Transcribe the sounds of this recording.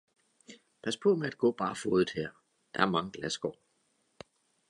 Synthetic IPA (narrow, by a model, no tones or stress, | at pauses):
pʰæspʰɔ̽meæd̥̚ɡ̥ɔ̰̽ːb̥ɑ̈ːfoːðˠð̩ˠheɐ̰ | d̥ɑ̈æɐmɑ̈ŋəɡ̥læsɡ̥ɒ̰ː